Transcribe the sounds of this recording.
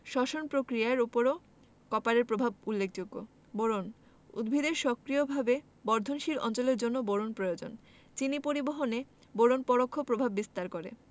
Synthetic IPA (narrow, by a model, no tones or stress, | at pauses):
ʃɔʃonpɾokɾijaeɾupoɾo | kɔpaɾeɾpɾobʱabulːek̚ʰd͡ʑoɡːo̰ | boɾon | ṵd̪bʱid̪eɾʃɔkɾijobʱabe | bɔɾd̪ʱonʃilɔ̰nt͡ɕoleɾd͡ʑonːoboɾonpɾojod͡ʑo̰n | t͡ɕinipoɾiboɦone | boɾonpɔɽokʰːopɾobʱabːist̪aɾkoɾḛ